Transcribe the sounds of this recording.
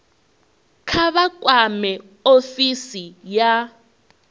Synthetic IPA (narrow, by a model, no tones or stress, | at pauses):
kʰaβakʼwamɛ | ofisija